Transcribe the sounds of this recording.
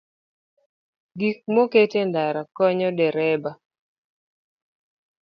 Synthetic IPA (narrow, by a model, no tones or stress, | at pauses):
ɡik̚moketendaɾakɔɲɔdɛɾɛba